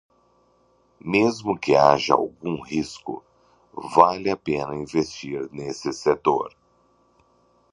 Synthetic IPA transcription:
mezmʊkɪaʒɐ̰a̰wɡũhiskʊ̰ | valɪapẽnɐĩvest͡ʃiɾnesɪset̪o̰ɾ

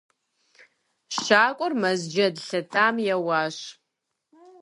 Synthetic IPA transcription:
ʃaːkʷʼɔrmɐzd͡ʒɐdɬɐtʰaːmjɛwaːɕ

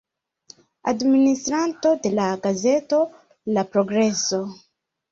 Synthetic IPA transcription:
a̰dministɾanto̞de̞laɡaze̞to̞ | lapɾoɡɾeso

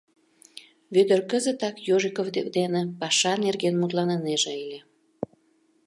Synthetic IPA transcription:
βyd̪ərkəzət̪ɑkjoʒikovevd̪enepɑʃɑnerɣenmut̪lɑnəneʒeelʲe

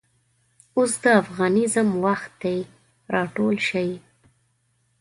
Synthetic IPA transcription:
ʊsd̪əafɣɑnɪzəmwaxt̪̚d̪ej | ɾɑʈolʃaj

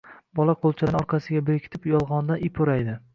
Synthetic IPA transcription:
bɒlˠaqʰolˠt͡ʃʰɪlɪnɒɾqʰɑsɪɡʲabeɾkʲʰt̪ʰɪpjɒlˠʁɒnd̪anɪpʰoɾajd̪ɪ

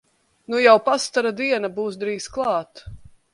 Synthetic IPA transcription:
nujawpast̪aɾad̪iɛnabuːsd̪ɾiːsklˠɑːt̪

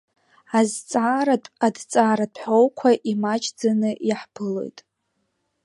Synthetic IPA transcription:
azt͡sʼaradt͡sʼaːɾadʰħo̞wkʷʰaʔimat͡ʃʰʼd͡zanɨjaħpʰɨlo̞̰jtʼ

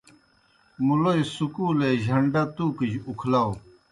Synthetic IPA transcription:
mulojsukuːleːʑʱɐɳɖɐt̪ukid͡ʑukʰlaw

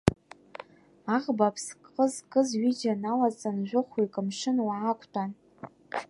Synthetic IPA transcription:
aʁbapʰskʼqʼəzkʼəzɥid͡ʒanalat͡sʼanʒʷʊχʷujkʼɨmʂɨnwaakʷʰtʰʼan

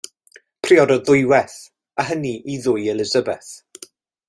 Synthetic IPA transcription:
pʰriɔdɔðʊjwɛθ | aɦəniʔiðʊjɛlɪzəbɛθ

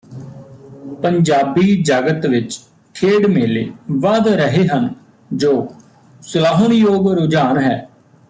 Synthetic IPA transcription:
pəɲd͡ʒaːbiːd͡ʒaːɡət̪ʋɪt͡ʃ | kʰeːɽmeːleːʋaːd̪ɾəɦeːɦən | d͡ʒoː | sʊlaːɦənjoːɡɾʊd͡ʒaːnɦɛː

